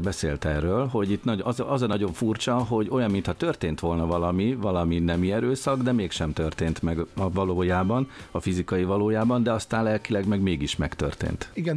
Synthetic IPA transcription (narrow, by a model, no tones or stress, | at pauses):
bɛsḛːlt̪ɛrːøːlɦo̞ɟit̪nɒɒzɒzɒnɒɟo̞ɱfurt͡ʃɒɦo̞ɟo̞jɒmːint̪hɒt̪ørt̪eːnt̪ʋo̞lnɒvɒlɒmivɒlɒminɛmiɛɾøːsɒɡd̪ɛmeːkʃɛmt̪ørt̪eːnt̪mɛɡvɒloːjaːbɒnɒfizikɒjivɒloːjaːbɒnd̪ɛɒst̪aːnlɛlkilɛɡmɛɡmeːɡiʃmɛkt̪ø̰rt̪ḛːnt̪iɡɛ